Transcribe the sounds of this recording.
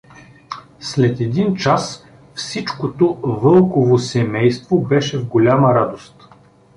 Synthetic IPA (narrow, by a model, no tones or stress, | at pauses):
slɛt̪ɛd̪int͡ʃas | fsit͡ʃkot̪ovɤlˠkovosɛmɛjst̪vobɛʃɛvɡolʲaməɾad̪ost̪